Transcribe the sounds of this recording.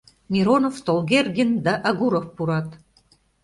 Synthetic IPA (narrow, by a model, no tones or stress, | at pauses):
mʲiɾonovt̪olɡerɡʲind̪ɑʔɑɣuɾofpuɾɑt̪